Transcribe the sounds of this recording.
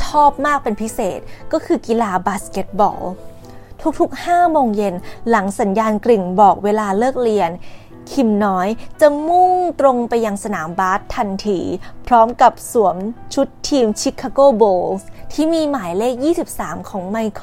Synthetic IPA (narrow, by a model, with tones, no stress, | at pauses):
t̪ʰɔː˥˩p̚maː˥˩k̚pe˧npʰi˦˥seː˨˩t̪̚kɔː˥˩kʰɯː˧ki˧laː˧baː˨˦˥ske˨˦˥t̪̚bɔ̰ː˧l | t̪ʰu˦˥k̚t̪ʰu˦˥k̚haː˥˩moː˧ŋje˧nla˩˦ŋsa˩˦njaː˧nkli˨˩ŋbɔː˨˩k̚weː˧laː˧lɤː˥˩k̚li˧ən | kʰi˧mnɔː˦˥jt͡ɕa˨˩mu˥˩ŋt̪ɾo˧ŋpa˧jːa˧ŋsa˧naː˩˦mbaː˦˥t̪ʰːa˧nt̪ʰiː˧pʰɾɔː˦˥mka˨˩p̚su˩˦əmt͡ɕʰu˦˥t̪ʰːiː˧mt͡ɕʰi˦˥kʰːa˧koː˥˩boː˧lst̪ʰiː˥˩miː˧maː˨˩˦jleː˥˩k̚jiː˥˩si˨˩p̚saː˩˦mkʰɔː˩˦ŋma˧jkʰ